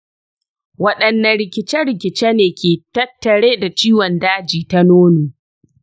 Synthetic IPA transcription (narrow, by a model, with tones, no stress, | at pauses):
wɐ˦ɗɐ˨nːɐ˨nɽɪ˨kʲɪ˦t͡ʃɛ˦ɽɪ˨kʲɪ˨t͡ʃeː˦neː˨kʲʰeː˨tɐ˦tːɐ˨ɽeː˦da˨t͡ʃiː˦wɔ˨ndaː˦d͡ʒiː˨ta˦noː˦nuː˨